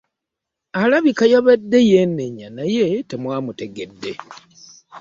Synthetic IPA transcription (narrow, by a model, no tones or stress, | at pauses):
alaβikajaβedːe̞jenːeɲanaje̞temwaːmute̞ɡe̞dːe̞